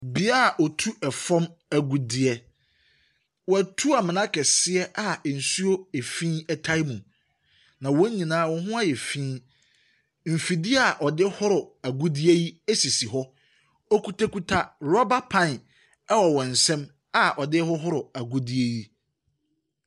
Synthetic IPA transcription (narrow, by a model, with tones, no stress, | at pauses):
bi˦a˦˨ʔɔ˨tʰu˦ʔɛ˨fɔ̃˦mæ˨ɡu˨dɪ˦ɛ˦ | wɔ˨æ˨tʰu˦a˨mɪ̃˨nã˦kʰɛ˨sɪ˦ɛ˦ʔa˨n̩˨su˦o˦e˨fĩː˦ɛ˦tʰa˦jmũ˨ | nã˨wɔ̃˦ɲĩ˨nãː˦wɔ̃˨ɦʊ̃˦a˦jɛ˨fĩː˦ | m̩˨fi˨di˦a˦˨ʔɔ˨dɪ˦hʊ˦ɾʊ˨æ˨ɡu˦di˦e˦ji˦e˦si˨si˨ɦɔ˦ | ɔ˦kʰu˦tʰa˦ku˦tʰa˦ɾɔ˦ba˦pʰã˦˨n˨ | a˦wɔ˨wɔ̃˨n̩˨sɛ̃˦m | a˨ʔɔ˨dɪ˦hɔ˦ɦʊ˦ɾʊ˨a˨ɡu˦di˦e˦ji˦